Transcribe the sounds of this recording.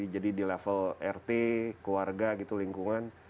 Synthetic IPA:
id͡ʒadidilɛfəlɛrt̪ekuwarɡaɡit̪uliŋkuŋan

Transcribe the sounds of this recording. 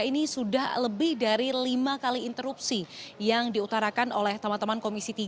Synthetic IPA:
inisudahləbɪhdaɾilimakaliːnt̪əɾup̚sijaŋdiut̪aɾakanolɛht̪əmant̪əmankomisit̪i

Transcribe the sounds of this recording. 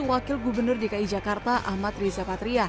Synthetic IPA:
wakɪlɡubərnʊrdikaid͡ʒakart̪aʔahmat̪rizapat̪ɾia

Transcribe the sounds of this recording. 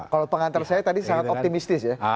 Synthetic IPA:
kalopəŋant̪ərsajat̪adisaŋat̪ɔt̪imist̪ɪsja

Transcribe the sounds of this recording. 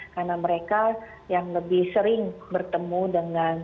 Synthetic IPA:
karnaməɾeka | jaŋləbɪhsəɾɪŋbərt̪əmudəŋan

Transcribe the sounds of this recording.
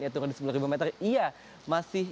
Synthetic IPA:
jat̪ukadisəp̬ularibumet̪əria | masɪh

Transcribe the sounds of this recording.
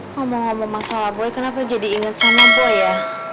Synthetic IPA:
ŋɔmɔŋːɔmɔŋmasalahboɛkənapad͡ʒadiːŋət̪̚samabuja

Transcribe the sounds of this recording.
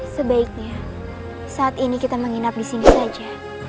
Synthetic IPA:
səbaik̚ɲa | saːt̪inikit̪aməŋinap̚disinisad͡ʒa

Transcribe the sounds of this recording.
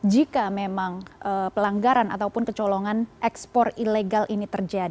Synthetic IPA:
d͡ʒikamemaŋəpəlaŋɡaɾana̰t̪awpʊnkət͡ʃɔlɔŋanʔɛkspɔrileɡalʔinit̪ərd͡ʒadi

